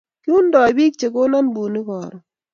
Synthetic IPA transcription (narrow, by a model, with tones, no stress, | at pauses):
kɪ˦u˦ndɔ˨a˨bi˦k̚t͡ʃe˨ko˦na˦nbu˨ni˦kɔ˨ɾɔ˨